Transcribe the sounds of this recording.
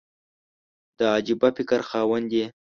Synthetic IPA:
d̪̥əɑd͡ʒibapɪkəɾxɑːwand̪e

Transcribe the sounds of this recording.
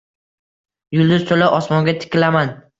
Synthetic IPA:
jʊlˠd̪ʊz̥t̪ʰolaʔɒsmɒŋɡʲat̪ʰɪ̥kʲɪlaman

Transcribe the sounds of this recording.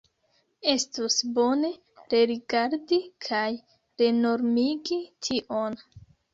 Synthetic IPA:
e̞stusbo̞ne̞ | ɾe̞ɾiɡaɾdikʰaj | ɾe̞no̞ɾmiɡitʰiʔo̞n

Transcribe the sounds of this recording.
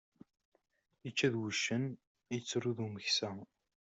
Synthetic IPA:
ət͡ʃːæðwəʃːən | jt͡sːɾuðuməçsæ

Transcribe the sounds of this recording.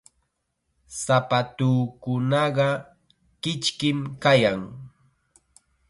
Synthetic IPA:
sapat̪uːkʊnɑɢɑ | kɪt͡ʃkɪmkajaŋ

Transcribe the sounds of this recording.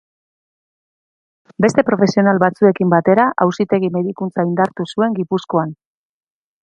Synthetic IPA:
be̞st̪e̞pɾo̞fe̞sio̞nalβat͡sue̞kimbat̪e̞ɾaʔawsit̪e̞ɣ̞ime̞ðikunt͡saind̪aɾt̪usue̞ŋɡipusko̞an

